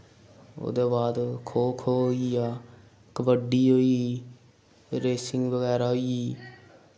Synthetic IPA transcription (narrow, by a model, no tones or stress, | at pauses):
o̰ːd̪eːbaːd̪kʰoːkʰoːɦoiːaː | kəʋəɖiːɦoːiː | ɾeːsɪŋɡʋəɣɛːɾaːɦoiː